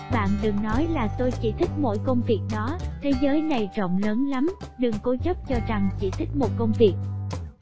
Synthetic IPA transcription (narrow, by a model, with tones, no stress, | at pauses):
ɓa̰ː˧˨nɗɨ˨˩ŋnɔ˨˦jlaː˨˩t̪o˧jt͡ɕḭ˧˩t̪ʰï˦˥k̟̚mo̰˧˥jkə˧wŋ͡mvi˨˩ək̚ɗɔ˨˦t̪ʰe˨˦zəː˨˦jna˨˩jzə̰˧˨wŋ͡mləː˨˦nla˨˦m | ɗɨ˨˩ŋko˨˦zə˦˥p̚t͡ɕɔ˧za˨˩ŋt͡ɕḭ˧˩t̪ʰï˦˥k̟̚mo˨˩t̚kə˧wŋ͡mvi˨˩ək̚